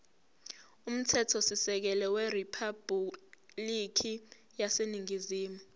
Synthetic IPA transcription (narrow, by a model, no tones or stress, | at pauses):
um̩tʰɛtʰɔsisɛk̬ɛlɛweripʰab | likʰi | jaseniŋiziːmu